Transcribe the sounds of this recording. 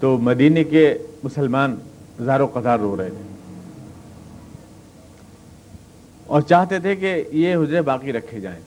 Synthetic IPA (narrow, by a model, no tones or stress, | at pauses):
t̪oːmɐd̪iːnekemʊsəlmaːn | zaːɾõqɐt̪aːɾːoːɾɐɦet̪ʰeː | ɔːɾt͡ʃaːɦt̪et̪ʰekejeɦʊzɾebaːqiɾɐkʰːed͡ʒa̰ːḛ̃ː